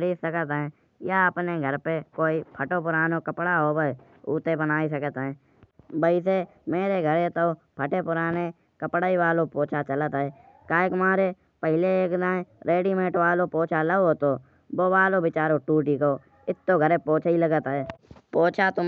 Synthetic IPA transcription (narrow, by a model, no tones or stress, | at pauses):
ɽisəkət̪ɦɛ̃ː | jaəpneɡʱəɾpekoːipʰəʈopʊɾaːnokəpɽaɦoːbə | ṵːt̪ebənaːis̬əkət̪ɛ̃ː | bəise | meːɾeɡʱəɾet̪o | pʰəʈepʊɾaːne | kəpɽaːiʋaːlopoːt͡ʃʰat͡ʃələt̪ɛː | kaːekʊmaːɾe | pəɦɪleeːkd̪ãːeɾeːɖimẽːʈʋaːlopoːt͡ʃʰaləoːt̪oː | boːʋaːlobɪt͡ʃaːɾoʈuːʈikoː | ɪt̪ːoɡʱəɾepoːt͡ʃʰːiləɡət̪ɛːpoːt͡ʃʰat̪ʊ